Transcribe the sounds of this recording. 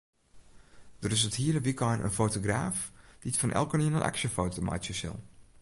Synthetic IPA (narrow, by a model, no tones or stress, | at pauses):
d̥ərɪs̬əthiːəɾəʋikɔjnʔə̰nfowtoɡraːfd̥itfɔnʔɛ̰lˠkəniənənʔɛ̰ksəfowtoma̰jtjəsɪ̰lˠ